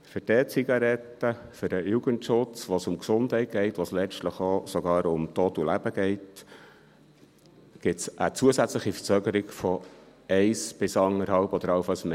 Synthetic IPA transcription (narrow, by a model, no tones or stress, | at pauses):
fʏɾd̥ɛt͡siɡɑɾɛtːəfʏdəjuɡəntʃʊt͡sʋosʊmksʊndɦɛɪt̚ɡ̥ɛɪtʋoslɛt͡ʃtləχosoɡɑːɾʊmtoːtulæb̥əɡ̥ɛɪt | ɡ̥ɪtsʔæt͡suəsæt͡sləχifə̥t͡søːɡəɾɪɡfɔ | ɛɪsb̥ɪsɑŋəɾhɑʊpɔd̥əɾɑʊfɑsme